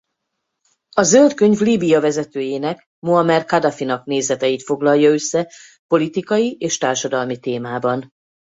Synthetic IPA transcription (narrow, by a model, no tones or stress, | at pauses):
ɒzølt̪kø̞ɲvliːbijɒvɛzɛt̪øːjeːnɛk | moɦɒmɛrkɒd̪ɒfinɒkneːzɛt̪ɛjit̪fo̞ɡlɒlːɒø̞sːɛ | po̞lit̪ikɒjiʔeːʃt̪aːrʃɒd̪ɒlmit̪eːmaːbɒn